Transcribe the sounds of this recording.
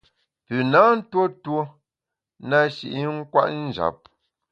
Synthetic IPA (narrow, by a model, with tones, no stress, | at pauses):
pʉ˨na˨˦n̩˦two˦two˦ | na˦ʃi˨ʔi˦ŋ̩˦kwa̰˦ʔn̩˦˨d͡ʒa̰˨p̚